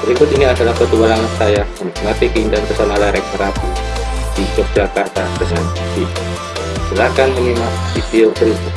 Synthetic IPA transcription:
bəɾikʊt̪iniadalahpət̪ubalaŋansajamənik̚mat̪ikəindant̪əsanalaɾɛk̚nəɾakidid͡ʒɔk̚d͡ʒakart̪adəŋan | si | səlakanmənimasipiobəɾikʊt̪̚

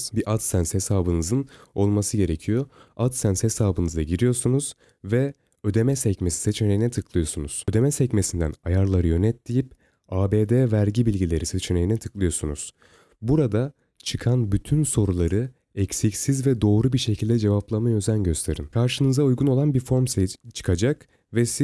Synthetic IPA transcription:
biʔat̪sænshe̞saːbɯnɯzɯno̞lˠmasɯɟe̞ɾe̞cʰijoat̪sænshe̞saːbɯnɯzaɟiɾijo̞sunuz̥ | vɛ | ø̞d̪e̞mɛsɛcmesi̥se̞t͡ʃʰene̞jinɛt̪ʰɯklˠɯjo̞sunuz̥ød̪e̞mɛsɛcme̞sind̪æ̰najaɾlˠaɾɯjø̞nɛt̪lijip̚ | aːbeːd̪eːvæɾɟibilʲɟilʲe̞ɾiset͡ʃʰe̞ne̞jinɛt̪ʰɯklˠɯjo̞sunuz̥ | buɾad̪a | t͡ʃʰɯkʰanbyt̪ʰynso̞ɾulˠaɾɯ | ɛcsicsizvɛd̪o̞ːɾubiɾʃe̞cʰilʲd̪ɛd͡ʒe̞vaplˠamajø̞zænɟø̞st̪ʰe̞ɾimkʰaɾʃɯnɯzaujɡuno̞lˠanbiɾfo̞ɾmst͡ʃʰɯ̥kʰad͡ʒak | vɛsi

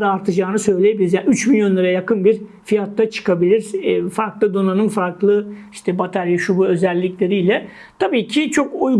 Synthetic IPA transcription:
d̪aːɾt̪ʰɯd͡ʒaːnɯsø̞jlʲejebilʲizayt͡ʃmilʲjo̞nlˠaɾajakɯnbiɾfijat̪ːat͡ʃʰɯ̥kʰabilʲiɾfaɾklˠɯd̪o̞nanɯnfaɾklˠɯiʃt̪ʰɛbat̪ʰaɾjaʃubuø̞zɛlʲːiclʲe̞ɾijlʲɛ | t̪ʰabiːcʰit͡ʃʰo̞kuj

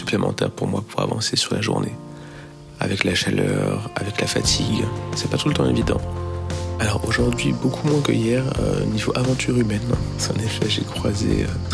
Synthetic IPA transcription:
sy̥plemʔɑ̃t̪ɛʁpuʁmwapuʁa̰vɑ̰̃sesyʁlaʒṵʁne | a̰vɛklaʃalœʁavɛklafat̪ʰiɡsɛpat̪ulət̪ɑ̃evid̪ɑ̰̃ | alɔʁoʒuʁd̪ɥibokʰumwɛ̃kəjɛʁøonivoʔavɑ̃t̪ʰyʁymɛnsɛɑ̃nefɛʒekχwazeø

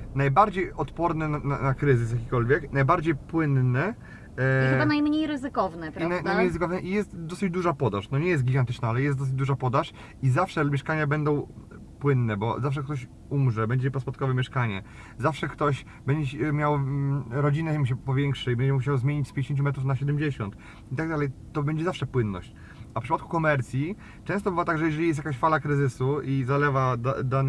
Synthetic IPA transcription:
najbaɾd͡ʑejɔt̪pɔɾnɛnana̰nakɾɘzɘsjakʲikɔlvʲjɛknajbaɾd͡ʑejpwɘnnɛ | anajmɲejɾɘzɘkɔvnɛpɾanajnajmɲejɾɘzɨkɔvnɛʔijɛst̪d̪ɔsɨd͡ʑd̪uʐapɔd̪aʂnɔɲɛjɛst̪̚ɡʲiɡant̪ɘ̥t͡ʂnaalɛjɛsɔs̬ɘd͡ʑd̪uʐapɔd̪aʂ | izafʂɛmjɛʂkaɲabɛnd̪ɔ̃w̃ | pwɘnːɛbɔzafʂ̬ɛkt̪ɔɕ | umʐɛbɛɲd͡ʑɛpɔspɔt̪̚kɔvɛmʲɛʂkaɲɛ | zafʂɛkt̪ɔɕ | bɛɲd͡ʑɛmʲjawɾɔd͡ʑinɛɛmɕ̬ɛpɔvʲjɛŋkʂɘibɛɲd͡ʑɛmuɕawzmʲjeɲit͡ɕspʲj̃ɲd͡ʑeɕeɲt͡ɕumɛt̪ɾufnaɕɛd̪ɛmd͡ʑeɕɔnt̪ | it̪aɡ̚d̪alɛjt̪ɔbɛɲd͡ʑɛzafʂɛpwɘnːɔ̰ɕt͡ɕ | afpʂɘpat̪̚ku̥kɔmɛɾt̪sʲji | t͡ʂɛ̃st̪ɔbɘvat̪aɡʐɛjɛʐɛlʲijɛs̬jakaɕfalakɾɘzɘsuizalɛvad̪a̰d̪an

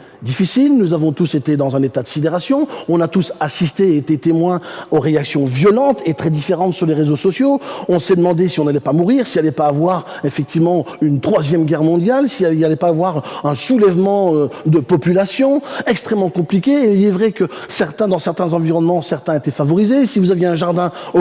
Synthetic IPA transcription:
d̪ifisilnuzavɔ̃t̪uset̪ed̪ɑ̃zɛ̃net̪ad̪əsid̪eʁasjɔ̃ɔ̃nat̪usasist̪eet̪et̪emwɛ̃oʁeaksjɔ̃vjɔlɑ̃t̪ʰet̪χɛd̪ifeʁɑ̃t̪syʁleʁezosɔsjoɔ̃sɛd̪əmɑ̃d̪esiɔ̃nalɛpamuʁiʁsialɛpaːvwaʁ | efɛk̚t̪ivmɑ̃ynt̪χwazjɛmɡʲɛʁmɔ̃d̪jalsialɛpaːvwaʁɛ̃sulɛvmɑ̃ød̪əpɔpylasjɔ̃ɛkst̪χɛmːɑ̃kɔ̃plikʲeːilɛvʁɛkəsɛʁt̪ɛ̃d̪ɑ̃sɛʁt̪ɛ̃zɑ̃viʁɔnmɑ̃sɛʁt̪ɛ̃et̪ɛfavɔʁizesivuzavjeɛ̃ʒaʁd̪ɛ̃

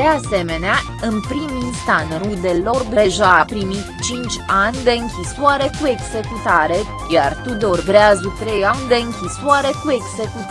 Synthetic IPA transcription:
d̪ease̞me̞nea | ɨnpɾiminst̪anrud̪elo̞rbeʒaːpɾimit̪t͡ʃint͡ʃʲanʲd̪e̞ɨŋkʲiswaɾe̞kue̞ɡze̞kut̪aɾe̞ | jart̪ud̪o̞rbɾeazut̪ɾe̞janʲd̪e̞ɨŋkʲisuaɾe̞kue̞ɡze̞kut̪

